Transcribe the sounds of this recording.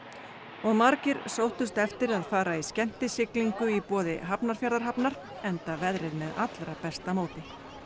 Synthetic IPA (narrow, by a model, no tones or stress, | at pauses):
ɔɣmaɾcɪɾsowht̪ʏst̪ɛft̪ɪɾaðfaːɾaiscɛm̥t̪ɪsɪkliŋkʏipɔːðɪ̰ɦapnaɾ̥fjaɾðaɾ̥ɦapnaɾ̥ | ɛnt̪avɛðɾɪðmɛða̰t̪lɾapɛst̪amoːwt̪ɪ